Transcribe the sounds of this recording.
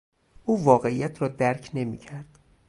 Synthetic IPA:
ʔuːvɒːɣe̞ijæt̪ʰɾɒːd̪æɾcʰne̞mḭːcʰæɾd̪̥

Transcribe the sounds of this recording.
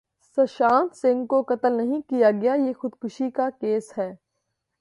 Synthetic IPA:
sɐʃaːnt̪sɪ̃ŋɡkokɐt̪əlnɐɦĩkijaɡɐjajeːxʊd̪kʊʃikakeːshɛː

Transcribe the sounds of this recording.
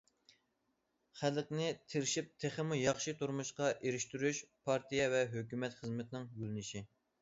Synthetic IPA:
χælqnɪt̪ʰɪɾɪʃip̚t̪ʰeχəmujɑχʃit̪ʰuɾmuʃqɑʔeɾɪʃt̪yɾyʃpʰɑɾt̪ʰijɛvɛɦøkʲymɛt̪χəzmɪt̪ʰɪnɪŋjylɪnɪʃi

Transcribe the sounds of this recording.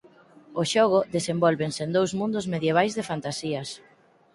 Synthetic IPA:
oʃɔɣ̞ʊðesembɔlβensend̪owzmũnd̪ʊzmeðjeβ̞ajzðefant̪asiɐs

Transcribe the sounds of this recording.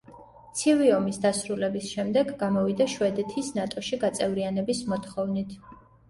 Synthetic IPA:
t̪sʰiviɔmisd̪asɾulɛbisʃɛmd̪ɛɡːamɔvid̪aʃwɛd̪ɛt̪ʰisnat̪ʼɔʃiɡat̪sʼɛvɾianɛbismɔt̪ʰχɔvnit̪ʰ

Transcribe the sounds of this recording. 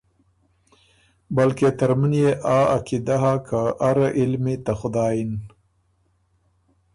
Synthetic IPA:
balket̪əɾmənjeʔɑːakid̪aɦakʰaʔaɾaʔɪlmit̪axʊd̪ɑːjin

